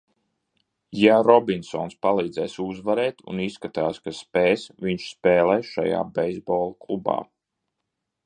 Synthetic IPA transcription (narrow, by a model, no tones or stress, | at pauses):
jaɾɔbinsɔ̰ːnspalˠiːd̪zɛːsuzvaɾɛːt̪ṵnisːkat̪aːskaspeːsviɲʃspeːlˠɛjʃa̰ja̰ːbɛjzboːlˠaklˠuba̰ː